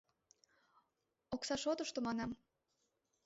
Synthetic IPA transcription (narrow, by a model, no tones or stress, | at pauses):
oksɑʃot̪əʃt̪omɑnɑm